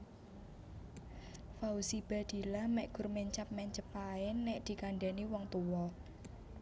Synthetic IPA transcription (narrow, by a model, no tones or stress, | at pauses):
fausib̥a̤d̪̥i̤lamɛʔɡ̥ʊ̤rmeɲt͡ʃap̚mɛɲt͡ʃəpaɪnːɛʔd̪̥i̤kaɳɖɛniwɔŋt̪uwɔ